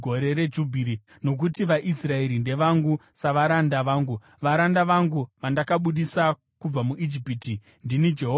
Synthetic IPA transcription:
o̞ɾe̞ɾe̞d͡ʒubʱiɾi | no̞k̬utiʋaʔisrae̞ɾinde̞ʋaŋɡusaʋaɾandaʋaːŋɡu | ʋaɾandaʋaŋɡuʋandakaɓuɗisa | kub͡vamuʔid͡ʒipiti | ndinid͡ʒe̞ɦo

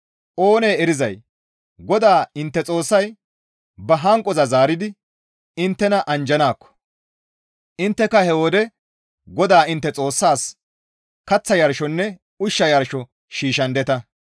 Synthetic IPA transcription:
ʔo̞ːne̞ːɛɾɪzɐj | ɡɔd̪aːɪnt̪ːɛt͡sʼo̞ːsːɐj | bɐɦɐŋkʼɔzɐzaːɾɪd̪ɪ | ɪnt̪ːɛnɐʔɐnd͡ʒɐnaːkːɔ̥ | ʔɪnt̪ːɛkɐhɛwɔd̪ɛ | ɡɔd̪aːɪnt̪ːɛt͡sʼo̞ːsːaːs | kɐt͡sːɐjɐɾʃɔnːɛ | ʊʃːɐjɐɾʃɔ | ʃiːʃɐnd̪ɛt̪ɐ

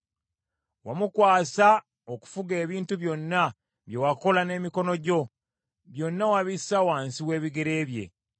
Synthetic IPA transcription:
wamukwaːsa | oku̥fuɡe̞ːβiːntuβjo̞nːa | βje̞wako̞lane̞ːmiko̞no̞ɟo̞ | βjo̞nːawaβisawaːnsiwe̞ːβiɡeɾe̞ːβje̞̰

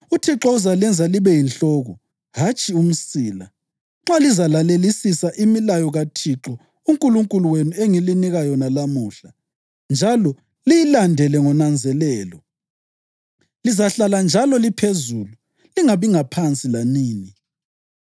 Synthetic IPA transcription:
utʰiǁɔuzalɛnd͡zʱaliβɛjinɬɔɣɔ | ɦat͡ʃʼium̩siːla | ŋ͡ǁalizalalelisisaʔimilajɔɣatʰiǁɔ | uŋkʼuluŋkʼuluwenueŋiliniɣajɔnalamuːɬa | nd͡ʒʱalɔ | lijilandʱɛlɛŋɔnand͡zʱɛlɛːlɔ | lizaɬaland͡ʒʱalɔlipʰezuːlu | liŋaβiŋapʰant͡sʼilaniːni

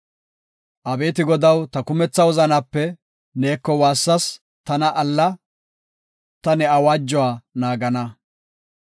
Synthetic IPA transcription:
ʔɐbe̞ːt̪ɪɡɔd̪ɐwt̪ɐkʊmɛt͡sːɐwɔzɐnɐpːɛ | ne̞ːkːɔwaːsːɐs | t̪ɐnɐʔɐlːɐ | t̪ɐnɛɐwaːd͡ʒːɔwaːnaːɡɐnɐ

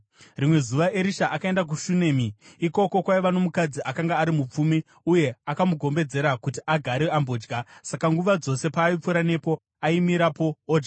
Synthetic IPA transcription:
rimwe̞zuʋaʔe̞ɾiʃaʔakae̞ndak̬uʃune̞ːmiiko̞ko̞kwaiʋano̞mukad͡ziʔakaŋɡaːɾimup͡fumi | uje̞akamuɡʱo̞mbe̞d͡ze̞ɾakutiʔaɡʱaɾeambo̞ːd͡ʒɡʱasakaŋɡuʋad͡zo̞se̞paːip͡fuɾane̞po̞ | aimiɾapo̞ːd͡ʒɡa

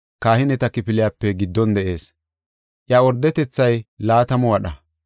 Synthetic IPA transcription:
kaːhɪnɛt̪ɐkɪpɪlɪjaːpːɛɡɪd̪ːɔnd̪ɛʔe̞ːs | ʔjɐɔɾd̪ːɛt̪ɛt͡sːɐjlaːt̪ɐmɔwɐɗɐ

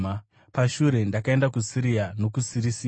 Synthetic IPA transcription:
a | paʃuɾe̞ndakae̞ndakusiɾiano̞kusiɾisi

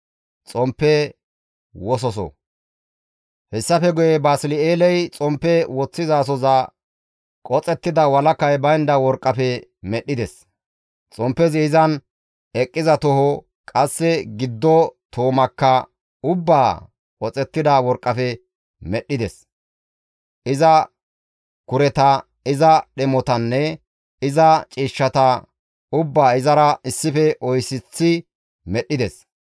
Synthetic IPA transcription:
t͡sʼɔmpːɛ | wɔs̬ɔsɔ̰ | hɛsːɐfɛɡɔjɛbaːsɪlɪeːlɛjt͡sʼɔmpːɛwɔt͡sːɪzaːs̬ɔzɐ | kʼɔt͡sʼɛt̪ːɪd̪ɐwɐlɐkːɐjbɐjnd̪ɐwɔɾkʼːɐfɛmɛɗːɪd̪ɛs | t͡sʼɔmpːɛzɪɪzɐn | ɛkʼːɪzɐt̪ɔhɔ | kʼɐsːɛɡɪd̪ːɔt̪ʰoːmɐkːɐ | ʊbːaː | ɔt͡sʼɛt̪ːɪd̪ɐwɔɾkʼːɐfɛ | mɛɗɪd̪ɛs | ʔɪzɐ | kʊɾɛt̪ɐ | ɪzɐɗɛmɔt̪ɐnːɛ | ɪzɐt͡ʃʼiːʃːɐt̪ɐ | ʊbːaːɪzɐɾɐʔɪsːɪfɛʔɔjsɪt͡sːɪ | mɛɗːɪd̪ɛs

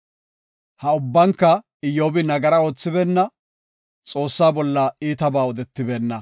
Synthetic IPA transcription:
hɐʊbːɐŋkːɐ | ɪjoːbɪnɐɡɐɾɐo̞ːt͡sːɪbeːnːɐ | t͡sʼo̞ːsːaːbɔlːɐiːt̪ɐbaːɔd̪ɛt̪ːɪbeːnːɐ

